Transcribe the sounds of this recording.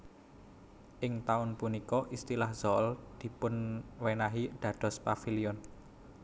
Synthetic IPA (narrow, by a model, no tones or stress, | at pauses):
ʔɪŋt̪aʊnpunikɔʔist̪ilahz̥ɔld̪̥i̤pʊnwenaɦiɖ̪̥ä̤ɖ̪̥ɔ̤spafiliɔn